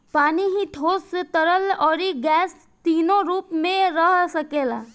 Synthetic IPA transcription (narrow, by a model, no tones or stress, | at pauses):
paːniɦiʈʰoːst̪əɾəlɔːɾiɡɛːs | t̪iːnoɾuːpmẽɾəɦsəkeːla̰ː